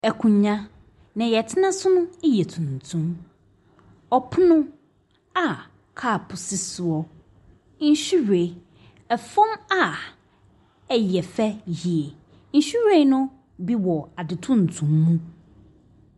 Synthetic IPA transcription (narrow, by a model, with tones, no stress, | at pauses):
ɛ˨kʰũ˨ɲã˦ | nã˨jɛ˨tʰɪ˦nã˦sʊ˦nʊ̃˦e˦jɛ˨tʰũ˨n̩˨tʰũ˦m | ɔ˨pʰʊ˦nʊ̃˦ | a˨ | kʰaː˦˨pʰʊ˨sɪ˦sʊ˨ɔ˦ | n̩˦ɕᶣi˦ɾe˨ | ɛ˨fɔ̃˦ma˦ | ɛ˨jɛ˨fɛ˦hi˨ɛ˨ | n̩˦ɕi˦ɾe˦nʊ̃˦ | bi˦wɔ˨a˨dɪ˨tʰũ˦n̩˨tʰũ˨mːũ˦